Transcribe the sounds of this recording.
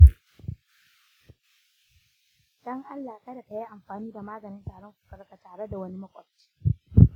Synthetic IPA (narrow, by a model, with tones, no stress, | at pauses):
d̥ɔ˦ŋʔa˦lːaː˨kɐ˦da˨ta˨ji˦ʔa˨mɸaː˨niː˦da˨maː˦ɡɐ˨nɪ˦ntaː˨ɽɔ˦ŋkʷu̥˦˨kɐ˨ɾka˨taː˨ɽe˦da˨wɐ˦ni˦mɐ˦kʷʼɔ˨t͡ʃi̥ː˦